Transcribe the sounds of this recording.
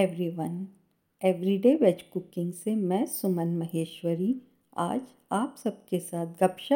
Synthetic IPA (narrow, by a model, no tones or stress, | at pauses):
ɛʋɾiʋɐn | ɛːʋɾiɖeːʋɛt͡ʃkʊkɪ̃ŋɡsemɛ̃ːsʊmənmɐɦeːʃwəɾi | a̰ːd͡ʒ | aːpsɐb̚kesaːt̪̚ʰɡɐpʃə